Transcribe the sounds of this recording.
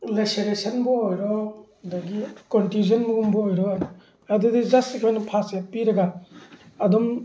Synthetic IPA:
leseɾesʰɐnbɔojɾɔ | d̪aɡikɔntjuzɐnmuɡumbɔojɾɔn | ad̪ud̪izɐstikʰɔjnɐpʰasjapiɾɐɡa | ɐd̪ɔm

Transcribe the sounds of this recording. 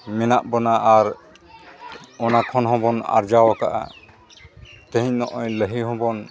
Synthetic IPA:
mɛnaʔbɔnaʔaɾ | ɔnakʰɔnɦɔ̃bɔna̰ɾd͡ʒawakaʔa̰ | t̪ə̃ɦiɲnɔʔɔjləɦiɦɔ̃bɔn

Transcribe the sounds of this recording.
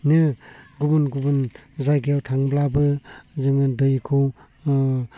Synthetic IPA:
nɯɡubunɡubɯnzajɡʰijawtʰaŋblabɯzɯŋɯdɯjkʰɯw

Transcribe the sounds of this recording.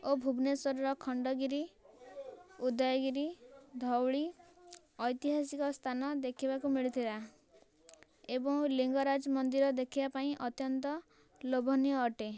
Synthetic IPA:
obʱubnesɔɾɔɾɔkʰɔɳɖɔɡiɾi | ud̪ɔjɔɡiɾid̪ʱɔwɭi | ɔjt̪iɦas̬ikɔst̪ʰanɔd̪ekʰibakumiɭit̪ʰila | ebɔŋliŋɡɔɾad͡ʒɔmɔnd̪iɾɔd̪ekʰibapaĩʔɔt̪jɔnt̪ɔ | lobʱɔnijɔːʈe

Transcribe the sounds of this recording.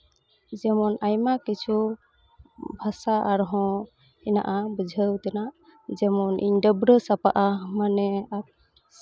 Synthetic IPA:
d͡ʒɛmɔnajmakit͡ʃʰu | bʱasaʔaɾɦɔ̃ | ɛna̰ʔabəd͡ʒʱəwt̪ɛnaʔ | d͡ʒɛmɔnʔḭɲɖəbɾəsapaʔamanɛat̚

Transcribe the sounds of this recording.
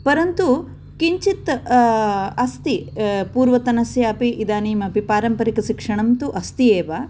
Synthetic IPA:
pɐɾɐnt̪u | kiɲt͡ʃit̪ | ɐst̪ipuːɾʋɐt̪ɐnɐsjaːpiʔid̪aːniːmɐpipaːɾɐmpɐɾikɐʃikʂɐɳɐmt̪uʔɐst̪ieːʋa

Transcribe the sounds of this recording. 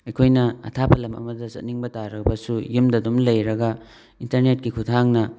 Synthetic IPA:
ɐjkʰojnɐɐ̰tʰapʰɐlɐmɐ̰mɐdɐsɐ̰t̚niŋbɐtaɾɐbɐsujumdɐdomlɐjɾɐɡɐ | intɐɾnet̚kikʰutʰaŋnɐ

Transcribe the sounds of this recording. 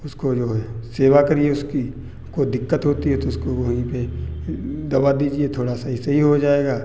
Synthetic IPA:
ʊskod͡ʒoːseːʋakɐɾieʊski | kod̪ɪkːət̪ɦoːt̪iɦɛt̪oʊskoʋɐɦĩpe | d̪ɐʋad̪iːd͡ʒiet̪ʰoːɽasaɦisɐɦiɦod͡ʒaːeːɡaː

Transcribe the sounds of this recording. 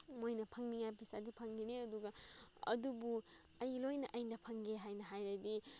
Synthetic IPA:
mojnɐpʰɐŋniŋajpʰisadipʰɐŋɡineɐduɡɐɐ̰dubu | ɐjlojnɐʔɐjnɐpʰɐŋɡeɦajnɐɦajɾadi

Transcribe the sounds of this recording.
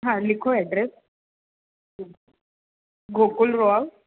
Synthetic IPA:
ɦalɪkʰɔadrɛs | ɡokʼʊlrɔa

